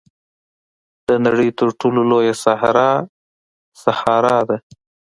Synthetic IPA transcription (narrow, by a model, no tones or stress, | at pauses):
d̪̥ənaɽəjt̪əɾʈʰololojasahɾɑ | sahɑɾɑd̪e